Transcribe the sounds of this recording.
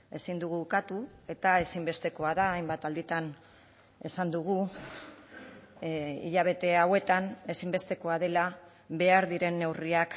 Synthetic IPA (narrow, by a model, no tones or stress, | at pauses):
e̞sind̪uɣ̞uːkat̪ue̞t̪ae̞simbe̞st̪e̞ko̞aðaːjmbat̪ald̪it̪an | e̞sand̪uɣ̞u | ḭʎaβ̞e̞t̪e̞awe̞t̪ane̞simbe̞st̪e̞ko̞að̞e̞la | βe̞aɾðiɾe̞nːe̞wriak